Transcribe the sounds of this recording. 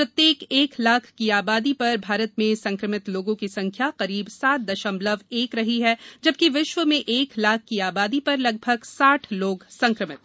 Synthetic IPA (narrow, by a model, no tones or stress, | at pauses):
pɾɐt̪jeːkeːklaːkʰkiaːbaːd̪ipɐɾbʱaːɾət̪mẽsɐ̃ŋkɾəmɪt̪loːɡõkisɐ̃ŋkʰjaqɐɾiːbsaːt̪̚d̪ɐʃə̃mləʋeːkɾɐɦiɦɛd͡ʒɐb̚kiʋɪʃʋəmẽʔeːklaːkʰkiaːbaːd̪ipɐɾlɐɡ̚bʱəɡsaːʈʰloːɡsɐ̃ŋkɾəmɪt̪̚